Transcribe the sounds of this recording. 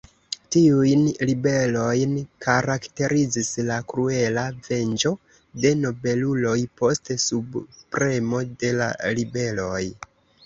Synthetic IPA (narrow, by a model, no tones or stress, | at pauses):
tiujnlibe̞lo̞jnkaɾakte̞ɾizislakɾue̞lave̞nd͡ʒo̞ | de̞no̞be̞lulo̞jpo̞stsubpɾe̞mo̞de̞la̰libe̞lo̞j